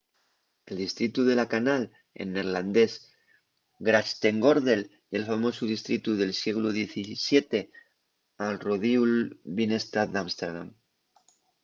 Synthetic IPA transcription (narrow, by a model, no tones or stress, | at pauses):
e̞ld̪ist̪ɾit̪uðe̞lakanal | ḛnːe̞ɾland̪e̞s | ɡɾast̪e̞ŋɡoɾðe̞l | e̞lfamo̞suð̞ist̪ɾit̪uðe̞lsje̞ɣ̞luðje̞θisje̞t̪e̞ | alroðiulβine̞st̪ad̪amst̪eɾða̰m